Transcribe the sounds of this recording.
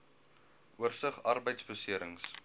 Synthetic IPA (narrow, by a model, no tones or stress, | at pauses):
uərsəχɐrbəjtsbəsiəɾəŋs